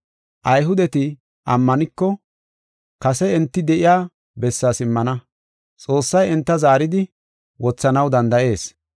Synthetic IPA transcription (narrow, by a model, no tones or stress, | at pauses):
ʔɐjɦʊd̪ɛt̪ɪ | ʔɐmːɐnɪkːɔ | kɐsɛɛnt̪ːɪd̪ɛʔɪjaː | bɛsːaːsɪmːɐnɐ | t͡sʼo̞ːsːɐjɛnt̪ːɐzaːɾɪd̪ɪ | wɔt͡sːɐnɐwd̪ɐnd̪ɐʔe̞ːs